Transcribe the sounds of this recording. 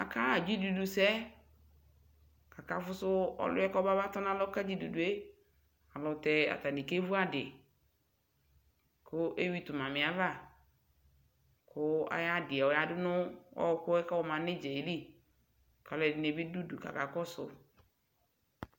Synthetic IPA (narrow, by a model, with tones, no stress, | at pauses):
a̰˨ka˦˨d͡ʒi˦du˨du˨sɛ˦ | ka˨ka˨fʊ˦sʊ˦ɔ̰˨lʊ̰˦ɛ˦kɔ˦ba˦ba˦tɔ˦nã˦lɔ˦ka˦d͡ʒi˦du˨du˨e˦ | a˨lɔ˨tɛ˨a̰˨ta˨ni˨ke˦vu˦a˦dɪ˨ | kʰʊ˦ʔe˦wi˦tʊ˨mã˨mɪ̃˨a˦va˦˨ | kʰʊ˦a̰˨ja˦dɪ˨ɛ˨ɔ˨ja˦dɪ˦nʊ˦ɔ̰˦kʊ˦ɛ˦ka˦wɔ˨mã˨nɪ˦d͡ʒe˨i˨˦li˦ | ka˨lɛ˨dɪ˨ne˨bɪ˦du˦du˨ka̰˨ka˨kɔ˦sʊ̰˨